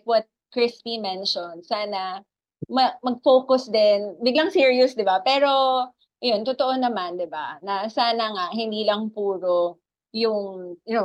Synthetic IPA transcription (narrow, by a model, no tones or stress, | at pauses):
kwɐt̪̚kɹɪspimɛnʃond̪saːnɐ | mɐmɐɡ̚foːkʊsd̪ɛnbɪɡlɐŋsiɹiʊsd̪ɪbapɛːɾo̞ | ʔɐjont̪ot̪oʔonɐmand̪ɪba̰nɐsaːnɐŋaʔhɪnd̪iːlɐŋpuːɾo | jʊŋjʊno